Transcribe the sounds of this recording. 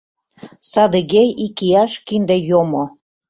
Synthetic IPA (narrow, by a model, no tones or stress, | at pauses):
sɑd̪eɣejikiɑʃkind̪ejomo